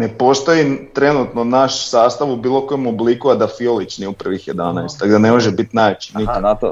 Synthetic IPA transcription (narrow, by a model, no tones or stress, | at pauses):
ne̞po̞st̪o̞jit̪ɾe̞nut̪nonaʃsaːst̪aʋubiːlˠo̞kojomoblikuad̪afiolit͡ʃniupr̩ʋixjed̪anajst̪aɡd̪ane̞mo̞ʒebit̪naːʋet͡ʃini